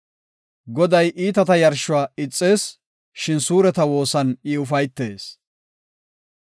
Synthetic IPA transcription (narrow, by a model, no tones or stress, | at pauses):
ɡɔd̪ɐjʔiːt̪ɐt̪ɐjɐɾʃʊwaːɪt͡sʼːe̞ːs | ʃɪnsuːɾɛt̪ɐwo̞ːsɐnɪʊfɐjt̪ːe̞ːs